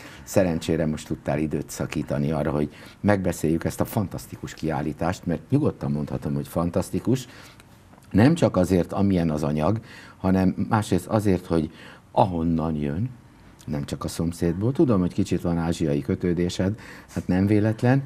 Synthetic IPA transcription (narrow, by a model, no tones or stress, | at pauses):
sɛɾɛnt͡ʃeːɾɛmo̞ʃt̪ut̪ːa̰ːlid̪øːt̪sɒkiːt̪ɒniɒrːɒɦo̞ɟmɛɡ̚bɛseːjːykɛst̪ɒfɒnt̪ɒst̪ikuʃkia̰ːlːiːt̪aːʃt̪mɛrt̪ɲuɡo̞t̪ːɒmːo̞nt̪hɒt̪o̞mho̞cfɒnt̪ɒst̪ikuʃ | nɛmt͡ʃɒkɒzeːrt̪ɒmiɛnɒzɒɲɒɡhɒnɛmːaːʃɾeːst̪ɒzeːrt̪ho̞ɟ | ʔɒɦo̞nːɒnjønː | ɛmt͡ʃɒkɒso̞mseːd̪boːlt̪ud̪o̞mho̞ckit͡ʃit̪ʋɒnaːʒijɒjikøt̪øːd̪eːʃɛd̪haːt̪nɛɱveːlɛt̪lɛn